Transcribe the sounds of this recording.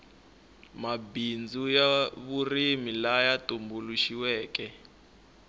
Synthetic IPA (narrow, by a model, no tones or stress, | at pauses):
mabind͡zujaβurimilajatumbuluʃiwɛːkɛ